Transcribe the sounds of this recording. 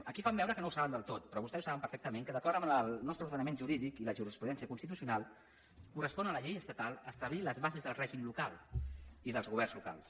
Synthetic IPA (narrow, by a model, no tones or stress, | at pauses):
əkifambɛwɾəkənowsaβənd̪əlˠt̪ot̪pɾɔβust̪ɛzu̥saβəmpəɾfɛk̚t̪əmẽŋkəðəkɔɾəməlnɔst̪ɾəuɾðənəmenʒuɾiðikiləʒurispuðɛnsiəkunst̪it̪usiunalˠ | kurəspɔnələʎejəst̪ət̪alˠəst̪əβliləzβazezðəlˠrɛʒimlukalˠiðəlˠzɣuβɛrnzluka̰lˠs